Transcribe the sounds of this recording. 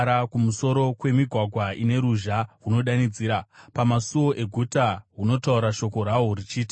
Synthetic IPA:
ɾakumuso̞ɾo̞kwe̞miɡʱwaɡʱwaine̞ɾuʒaɦuno̞ɗanid͡ziːɾapamasuwo̞ʔe̞ɡʱutaɦuno̞tauɾaʃo̞ko̞ɾaorit͡ʃiːti

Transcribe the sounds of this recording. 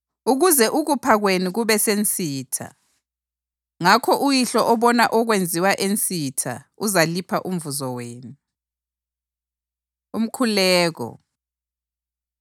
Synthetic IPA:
uɣuzɛʔuɣupʰaɣwenuɣuβɛsent͡sʼiːtʰa̰ | ŋakʰɔʔujiɬɔʔɔβɔnaʔɔɣwend͡zʱiwaʔent͡sʼitʰa̰uzalipʰaʔum̩vuzɔweːnu | um̩kʰulɛːɣɔ̰

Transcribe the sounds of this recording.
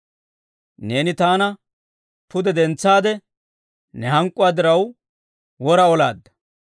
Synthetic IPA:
ne̞ːnɪt̪aːnɐ | pʊd̪ɛd̪ɛnt͡sːaːd̪ɛ | nɛɦɐŋkʼːʊwaːd̪ɪɾɐw | wɔɾɐɔla̰ːd̪ːɐ̥

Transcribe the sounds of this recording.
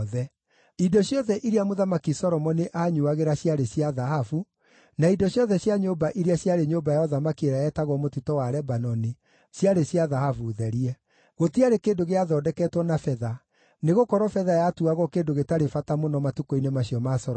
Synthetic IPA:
ðɛ | idɔɕjɔðɛʔiɾiamoðamakisɔɾɔmɔniʔaːɲuaɣeɾaɕjaɾeɕiaðaɦafu | naidɔɕjɔðɛɕjaɲoːbaʔiɾiaɕjaɾeɲobajɔðamakieɾaɛtaɣɔmotutɔwaɾɛbanɔni | ɕjaɾeɕjaðahafuðɛɾiɛ | ɣotiaɾekeːndoɣeaðɔːdɛkɛːtwɔnafɛða | neɣokɔɾɔfɛðajatuaɣɔkeːndoɣetaɾefatamonɔmatukɔinemaɕiɔmasɔɾ

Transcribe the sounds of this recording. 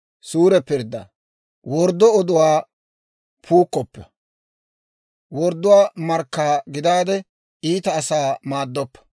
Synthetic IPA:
suːɾɛpːɪɾd̪ːɐ̰ | wɔɾd̪ːɔɔd̪ʊwaː | pʰuːkːɔpːɛ | wɔɾd̪ʊwaːmɐɾkːaːɡɪd̪aːd̪ɛ | ʔiːt̪ɐːsaːmaːd̪ːɔpːɐ̥

